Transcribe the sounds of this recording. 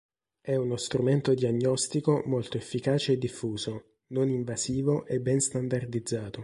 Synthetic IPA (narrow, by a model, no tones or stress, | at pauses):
ɛunost̪ɾument̪od̪ianːɔst̪ikomolt̪oefːikaːt͡ʃeːd̪ːifːuːzo | noniɱvaziːvoʔebːɛnst̪and̪ard̪id̪zːaːt̪o